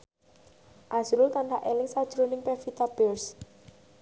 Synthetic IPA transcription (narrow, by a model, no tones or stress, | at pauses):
ʔasuɾʊlt̪anɖaʔelɪŋsad̥ʒ̥ɾonɪŋpɛfit̪ab̥ɛrs